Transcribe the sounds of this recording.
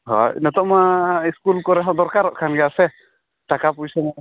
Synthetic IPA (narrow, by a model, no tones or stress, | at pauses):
ɦɔ̰jnɔt̪ɔʔmaiskulkɔɾɛɦɔd̪ɔɾkaɾɔʔkʰanɡɛasɛ | t̪akapujsɔna